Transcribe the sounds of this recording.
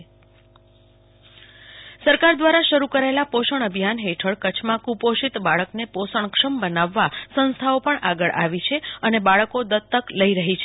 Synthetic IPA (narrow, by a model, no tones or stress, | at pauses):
səɾkaɾd̪ʋaɾaʃəɾukəɾaelapoʃəɳəbʱijanɦeʈʰəɭkət͡ʃʰmãkupoʃit̪baɭəkneposəɳkʂəmbənaʋːasə̃nst̪ʰaopəɳʔaɡəɭʔaʋit͡ʃʰeənebaɭəkod̪ət̪ːəkləiɾəɦit͡ʃʰe